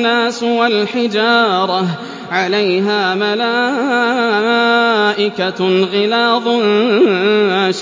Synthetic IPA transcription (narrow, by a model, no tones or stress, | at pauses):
aːswalħɪd͡ʒɑːɾˤɑ | ʕalajɦaːmalaː | ʔɪkaɣɪlaːðˤ | aʃ